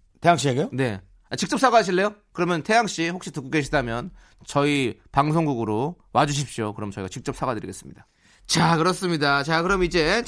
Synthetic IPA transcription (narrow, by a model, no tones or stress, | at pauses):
tʰeaŋɕ͈ieɡejone̞ | at͡ɕik̚t͡ɕ͈ʌp̚s͈aɡaaɕ̬ʰiɭːe̞jokɯɾʌmjʌntʰe̞jaŋɕ͈iɸok̚ɕ͈itukoɡe̞ɕʰidamjʌn | t͡ɕʌipaŋs̬ʰoŋɡuɡɯɾo | wad͡ʑuɕ̬ʰip̚ɕ͈iokɯɾʌmt͡ɕʌiɡat͡ɕik̚t͡ɕ͈ʌp̚s͈aɡadɯɾḭɡes͈ɯ̥mɲid̥a | t͡ɕakɯɾʌs͈ɯmɲidat͡ɕakɯɾʌmid͡ʑe̞